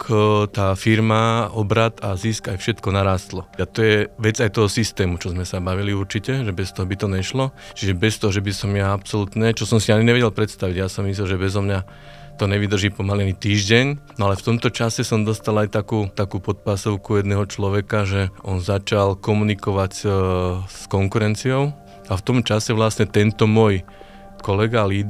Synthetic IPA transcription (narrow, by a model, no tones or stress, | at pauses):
kt̪aːfiɾmaɔbɾat̪aziskajfʃɛt̪kɔnaɾaːst̪lɔat̪ɔjɛʋɛd͡zajt̪ɔɦɔsist̪ɛːmut͡ʃɔzmɛsabaʋiliuɾt͡ʃicɛʒɛbɛst̪ɔɦɔbit̪ɔɲɛʃlɔ | t͡ʃiʒɛbɛst̪ɔɦɔʒɛbisɔmjaapsɔlut̪ɲɛt͡ʃɔsɔmsiaɲiɲɛʋɛɟɛlpɾɛt̪st̪aʋiɟjasɔmːis̬lɛlʒɛbɛzɔmɲa | t̪ɔɲɛʋid̪r̩ʒiːpɔmalianit̪iːʒɟɛɲnɔalɛft̪ɔmt̪ɔt͡ʃasɛsɔmd̪ɔst̪alajt̪akuːt̪akuːpɔt̪̚pasɔʊkujɛd̪nɛɦɔt͡ʃlɔʋɛkaʒɛʔɔnzat͡ʃalkɔmunikɔʋac | skɔŋkuɾɛnt͡siɔʊ | aft̪ɔmt͡ʃasɛʋlasɲɛt̪ɛnt̪ɔmɔj | kɔlɛɡaliːd̪